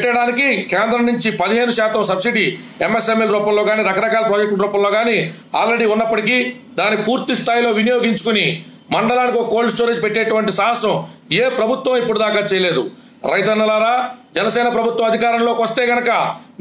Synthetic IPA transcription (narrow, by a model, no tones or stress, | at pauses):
ʈːɐɽaːnikikeːnd̪ɾɐmnuɲt͡ʃipɐd̪iɦe̞ːnuʃaːt̪ɐmsɐbsiɖi | emesemelɾuːpɐmloːɡaːniːɾɐkɐɾɐkaːlɐpɾoːd͡ʒek̚ʈɾuːpɐ̃mloːɡaːni | aːlɾe̞ɽiːunːɐpːɐʈiki | d̪aːnipuːɾt̪ist̪ʰaːjlo̞ːʋinijo̞ːɡiɲt͡ʃu̥kuni | mɐɳɖɐlaːnik̬okoːlsʈoːɾeːd͡ʒpeʈːeːʈuʋɐɳʈisɐɦɐsɐmeːpɾɐbʱut̪ʋɐ̃mipːuɽud̪aːkaːt͡ʃɛːjɐleːd̪u | ɾɐjt̪ɐnːɐlaːɾaːd͡ʒɛnɐsɛːnɐpɾɐbʱut̪wɐmɐd̪ʱikaːɾɐnlo̞ːkʋɐst̪e̞ːɡɐnɐkɐ